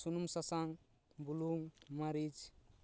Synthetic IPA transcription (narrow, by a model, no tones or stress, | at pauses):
sunumsasaŋ | buluŋmaɾid͡ʒ